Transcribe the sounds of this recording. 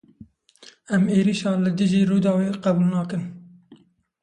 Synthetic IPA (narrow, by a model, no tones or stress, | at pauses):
ɛmeːɾiːʃɑːlɨd̪ɨʒiːɾuːd̪ɑːweːqɛbuːlnɑːkɨn